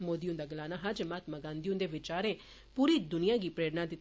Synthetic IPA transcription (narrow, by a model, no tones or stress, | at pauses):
moːd̪ijõːd̪aːɡəlaːnaːɦad͡ʒmaːt̪maɡãːnd̪iõːd̪eːʋɪt͡ʃaːɾẽː | puːɾiːd̪ʊnɪjãːɡiːpɾeːɽnaːd̪ɪt̪